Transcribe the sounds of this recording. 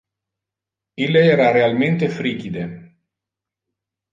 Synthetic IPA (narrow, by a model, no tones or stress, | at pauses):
ilːeɛːɾarealment̪efɾiːkid̪e